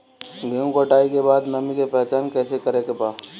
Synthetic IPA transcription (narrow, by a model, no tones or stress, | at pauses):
ɡəũkəʈaːikebaːd̪nɐmĩkepɛɦt͡ʃaːnkɛːsekəɾekepaː